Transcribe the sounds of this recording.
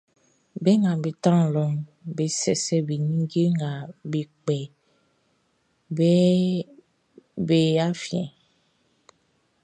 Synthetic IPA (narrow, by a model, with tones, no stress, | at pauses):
be˦ŋã˨be˨t̪ã˦˨lɔ˨mbe˨sɛ˨sɛ˦be˨ɲĩ˦ɡe˦ŋã˨be˨k͡pɛ˨ | bɛ˦ | be˨a˦fi˨ɛ̰̃˨